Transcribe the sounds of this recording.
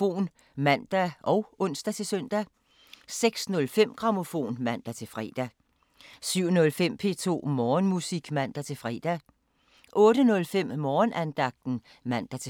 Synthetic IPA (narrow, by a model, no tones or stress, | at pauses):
o̝̰ːn | mæn̰d̥æʔɒ̽ʊɔ̽n̰sd̥æt͡sʰe̝lsœn̰d̥æ | seɡ̥snɔ̽lfem̰ɡ̥ʁɑ̈mo̝fo̝̰ːnmæn̰d̥æt͡sʰe̝lfʁɛ̰ːd̥æ | syʊ̰nɔ̽lfem̰pʰe̝̰ːt͡sʰo̝̰ːmɒːnmusiɡ̥mæn̰d̥æt͡sʰe̝lfʁɛd̥æ | ʔɔ̽ːɾənɔ̽lfem̰mɒːnænd̥ɑ̈ɡ̥̚d̥n̩ | mæn̰d̥æt͡sʰe